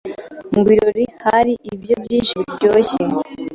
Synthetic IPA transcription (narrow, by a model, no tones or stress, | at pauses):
ŋɡwiɾoɾihaɾiʔibjobjiːnʃiɾɟoːçe